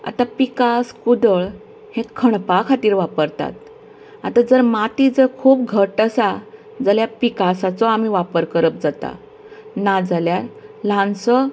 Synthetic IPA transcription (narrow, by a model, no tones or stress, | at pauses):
a̰t̪apikaskud̪əɭ | hẽkʰəɳpakʰat̪iːɾʋapəɾt̪a̰t̪ | at̪ad͡zəɾmat̪id͡zəɾkʰuːpɡʱəʈəsa | d͡zəljapikasat͡sɔamiʋapəɾkəɾəp̚d͡zat̪a̰ | nad͡zaljaɾlãnsɔ